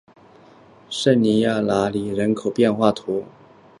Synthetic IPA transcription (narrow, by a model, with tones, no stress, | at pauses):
ʂə˥˩nni˧˥ja˥˩la˧˥li˨˩ɻə˧˥nkʰo˨˩ʊpjɛ˥˧nxwa˥˩t̪ʰwɔ˧˥